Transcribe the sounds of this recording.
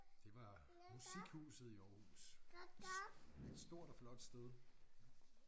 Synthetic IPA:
d̥e̝ʋɑ̈ | musiɡ̥huːsð̩ˠiɒːhṵs | e̝d̥sd̥o̝ɐ̰ɾ̥ɒflɒ̽d̥sd̥eð̞ˠ

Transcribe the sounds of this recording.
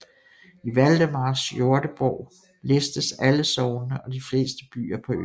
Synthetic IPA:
iʋæld̥əmɑ̈ːsjo̝ɐd̥əb̥ɒʊ̰ | lesd̥əsæləsɒʊnəʔɒ̽d̥ifle̝̰ːsd̥əb̥y̰ːɐpʰɒ̽ø̰

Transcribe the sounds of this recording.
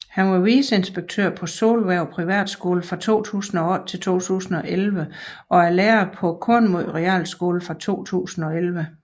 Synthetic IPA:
hænʋɑ̈ʋiːse̝nsb̥eɡ̥̚t͡sʰø̰ɐ̰pʰɒ̽so̝ːlʋæɐʊpʰʁiʋæ̰ːd̥sɡ̥o̝ːləfʁɑ̈t͡sʰo̝̰ːt͡sʰṵːsn̩ɒ̽ɒ̽d̥̚t͡sʰe̝lt͡sʰo̝̰ːt͡sʰṵːsn̩ɒ̽ʔelʋəʔɒ̽æɐleːɐpʰɒ̽kʰɔnmoð̰ˠʁɛæ̰ːlsɡ̥o̝ːləfʁɑ̈t͡sʰo̝̰ːt͡sʰṵːsn̩ɒ̽elʋə

